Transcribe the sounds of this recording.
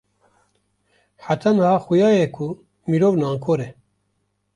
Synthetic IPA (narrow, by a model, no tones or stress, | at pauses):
ħat̪ʰanhɑːxujɑːjekʰu | miɾoːvnaːŋkʰoːɾe